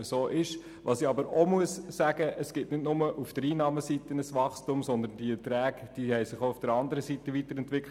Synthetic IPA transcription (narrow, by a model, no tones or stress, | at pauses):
əsoːʔɪʃ | ʋʔɑ̰ːsiɑbəɾomuəssæɡ̥əʔəsɡ̥ɪtnɪdnʊməʔufd̥əɾiːnɑːməsitənəsʋɑχstumsɔndənd̥iətɾæːkd̥iːhɛɪsɪχoufd̥əɾɑndəɾəsitəvitəɾɛntʋɪkʰ